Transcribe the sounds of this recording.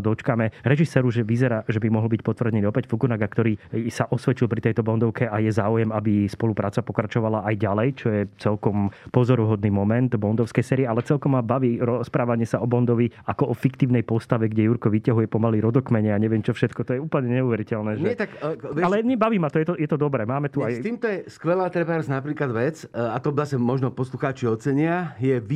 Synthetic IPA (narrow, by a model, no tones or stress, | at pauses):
d̪ɔt͡ʃkamɛɾɛʒisɛɾuʒɛʋizɛɾaːʒɛbimɔɦl̩ˠbic̚pɔt̪ʋr̩dɲɛniɔpɛɟfukunaɡakt̪ɔɾiːsaʔɔsʋɛt͡ʃilˠpɾit̪ɛjt̪ɔbɔnd̪ɔʊkɛʔajɛzaːujɛmabispɔlupɾaːt͡sapɔkɾat͡ʃɔʋalaʔajɟalɛjt͡ʃɔjɛt͡sɛlkɔmpɔzɔɾuɦɔd̪niːmɔmɛnt̪bɔnd̪ɔʊskɛjsɛːɾiɛalɛt͡sɛlkɔmːabaʋiːɾɔspɾaːʋaɲɪɛsaʔɔbɔnd̪ɔʋiʔakɔʔɔfikt̪iːʊnɛjpɔst̪aʋɛɡɟɛjuɾkɔʋicaɦujɛpɔmaliːɾɔd̪ɔkmɛɲɛaɲɛʋɪɛmt͡ʃɔfʃɛt̪kɔt̪ɔjɛuːpl̩ɲɛɲɛuʋɛɾicɛlnɛːʒɲɛɛt̪akʋalɛmibaʋiːmat̪ɔjɛt̪ɔjɛt̪ɔd̪ɔbɾɛːmaːmɛt̪uajt̪iːmt̪ɔjɛskʋɛlaːt̪ɾɛbaɾznapɾiːklad̪ʋɛt͡sat̪ɔzasɛmɔʒnɔpɔsluxaːt͡ʃiɔt͡sɛɲɪajɛʋi